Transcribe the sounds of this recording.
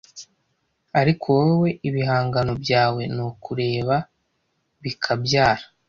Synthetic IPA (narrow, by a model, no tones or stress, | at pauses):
aɾikʰowewe̞ʔiβiɦaːŋɡano̞bjaːwe̞nokuɾe̞ːβa | βikʰabjaːɾa